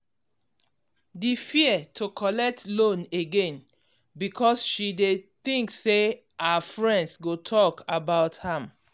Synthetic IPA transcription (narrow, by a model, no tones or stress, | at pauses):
difiətʰokʰɔlɛk̚tlõneɡẽn | bikʰɔsʃideθĩŋkse | aafɹɛ̃ndsɡotʰɔkabaʊthãm